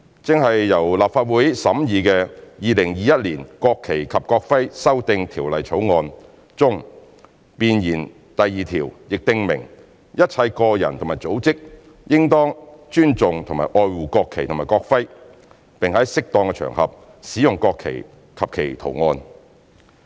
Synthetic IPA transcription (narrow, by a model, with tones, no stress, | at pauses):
t͡sɪ˨ŋɦɐ˨jːɐ˨˩wlaː˨p̚faː˧t̚wuː˨˥jsɐ˨˥mjiː˨˧kɛː˧jiː˨˧lɪ˨˩ŋjiː˨˧jɐ˥t̚liː˨˩nkɔː˧kʰːe˨˩jkʰɐ˨p̚kɔː˧k̚fɐ˥jsɐ˥wt̪ɪ˧ŋt̪ʰiː˨˩wlɐ˨jt͡sʰo˨˥wŋɔː˧n | t͡sʊ˥ŋ | piː˧njiː˨˩n | t̪ɐ˨jːiː˨t̪ʰiː˨˩wjɪ˨k̚t̪ɪ˧ŋmɪ̰˨˩ŋ | jɐ˥t̚t͡sʰɐ˧˥jkɔː˧jɐ̰˨˩nt̪ʰo˨ŋmaː˨˩t͡so˨˥wt͡sɪ˥k̚ | jɪ˥ŋt̪ɔː˥ŋt͡ʃyː˥nt͡sʊ˨ŋt̪ʰʊ˨˩maː˨˩ʔɔː˧jwuː˨˩kɔː˧kʰe˨jt̪ʰʊ˨˩maː˨˩kɔː˧k̚fɐ˥j | pɪ˨ŋhɐ˨˥jsɪ˥k̚t̪ɔː˧ŋkɛ˧t͡ʃʰœ̰ː˨˩ŋhɐ̰˨p̚ | siː˨˥jʊ˨ŋkɔː˧kʰːḛ˨˩j | kʰɐ˨p̚kʰe˨˩jt̪ʰo̰˨˩wŋɔː˧n